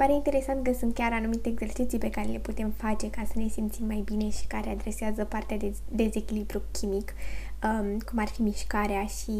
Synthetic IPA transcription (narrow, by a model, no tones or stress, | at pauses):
paɾeint̪e̞ɾe̞sant̪̚kəsunt̪̚kʲaɾanumit̪e̞ːɡz̥e̞rt͡ʃit̪sijpe̞kaɾe̞le̞put̪e̞mfat͡ʃe̞kasəne̞simt̪simːajbine̞ʃi̥kaɾe̞ad̪ɾe̞seazəpart̪eaed̪e̞ze̞kʲilibɾukʲimikəmkumarfimiʃkaɾeaʃi